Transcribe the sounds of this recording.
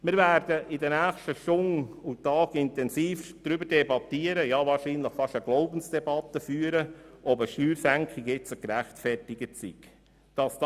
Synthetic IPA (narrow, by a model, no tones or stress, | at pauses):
mɪːɾvæːɾd̥əʔɪdənæːχʃtəʃtʊŋutɑːɡɪntɛnsiːfd̪̥ɾʏbəɾdɛbɑt̪iəɾəjɑvɑːrʃiːnləχfɑʃəɡ̥loʊbən̩sd̥ɛbɑt̪ːəfyːəɾəʔɔbəʃyːɾsæŋkχɪkjɪt͡səkɾæχtfɛrtɪɡətsḭk | d̥ɑsd̥